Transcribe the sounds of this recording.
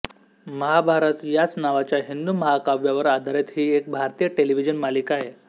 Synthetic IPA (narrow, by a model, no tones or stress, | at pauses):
məɦabʱaɾət̪jat͡snaʋat͡ɕjaɦind̪uməɦakaʋjaʋəɾad̪ʱaɾet̪ɦiːek̚bʱaɾt̪iːjəʈeliʋid͡ʑənmalikaɦe